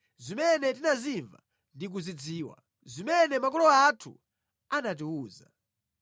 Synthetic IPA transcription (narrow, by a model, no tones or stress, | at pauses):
zimɛnɛt̬inaziɱva̰ | ndik̬uzid͡ziːwa̰ | zimɛnɛmak̬ɔlɔatʰṵ | anat̬iuːza̰